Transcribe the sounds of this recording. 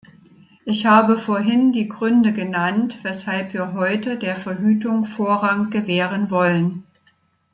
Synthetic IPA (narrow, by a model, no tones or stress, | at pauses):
ʔɪçhaːbəfoːɐɦɪndiːɡʁʏndəɡənantv̥ɛshalpv̥iːɐɦɔʏtədeːɐfɛɐɦyːtʊŋfoːɐʁaŋt̚ɡ̥əvɛːʁənvɔlən